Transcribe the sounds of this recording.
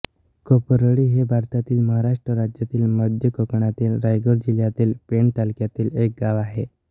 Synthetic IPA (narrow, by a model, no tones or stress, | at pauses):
kopəɾəɽiːɦebʱaɾt̪at̪iːlməɦaɾaʂʈɾəɾad͡ʑjat̪iːlməd̪ʱjəkokɳat̪iːlɾajɡoɾd͡ʑiljat̪iːlpeɳt̪alkjat̪iːlek̚ɡaʋaɦe